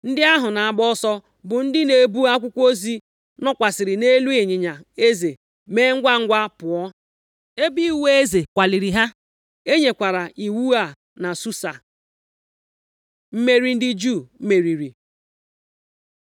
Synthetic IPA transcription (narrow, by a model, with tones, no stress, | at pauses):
n̩˦dɪ˦a˦ɦʊ˨na˨a˨ɡ͡bɔ˦sɔ˦ | bʊ˨n̩˦dɪ˦ne˨bu˦a˦kʷʊ˦kʷo˦zi˦ | nɔ˦kʷa˨sɪ˨ɾɪ˨ne˦lu˦e˨ɲɪ˨ɲa˨e˦ze˨ | me˦ŋ̩˦ɡʷa˦ŋ̩˦ɡʷa˦pʊ˨ɔ˦ | e˦bi˦i˦˨we˦e˦ze˨kʷa˨li˨ɾi˨ɦa˦ | e˦ɲe˨kʷa˨ɾa˨ʔi˨wu˦a˨ | na˨su˦sa̰˨ | m̩˦me˦ɾi˨n̩˦dɪ˦d͡ʒu˦˨˦me˨ɾi˨ɾi˨